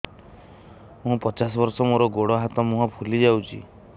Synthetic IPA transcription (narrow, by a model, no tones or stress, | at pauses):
mũpɔt͡ʃas̬ɔbɔɾsɔmoɾɔɡoɽɔɦat̪ɔmũɦɔpʰulid͡ʒawt͡ʃʰḭ